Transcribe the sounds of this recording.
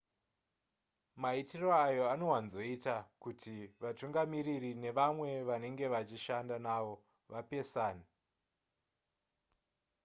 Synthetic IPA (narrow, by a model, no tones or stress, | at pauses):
maitiro̞ajo̞ano̞wanzo̞itakutʰiʋatuŋɡamiririne̞ʋamwe̞ʋane̞ŋɡe̞ʋat͡ʃiʃandanaʋo̞ | ʋape̞saːni